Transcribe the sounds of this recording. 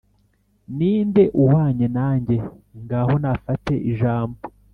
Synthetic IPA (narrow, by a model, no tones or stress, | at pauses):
niːnde̞ʔuhaːɲenaːɲɟe̞ŋɡaho̞nafate̞ʔiʒaːmbo